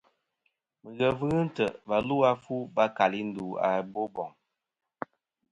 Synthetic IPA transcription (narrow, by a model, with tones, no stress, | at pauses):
mə˨ɣə˨vɨ˦ɣɨ˦n̩˦tə˨ba˨lu˦a˦fu˦ba˦ka˨li˦n̩˦du˨a̰˨bo˦bɔ˨ŋ